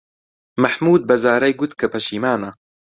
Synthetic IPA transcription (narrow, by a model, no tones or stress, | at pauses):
mɐħmuːd̪̚bɐzaːɾɐjɡʊt̪kʰɐpʰɐʃiːmaːnɐ